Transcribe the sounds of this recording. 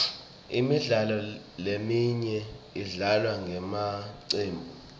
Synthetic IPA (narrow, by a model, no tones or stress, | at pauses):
imiɮalɔ | lemiɲɛiɮalwaŋɡʱɛmaǀeːmbʱu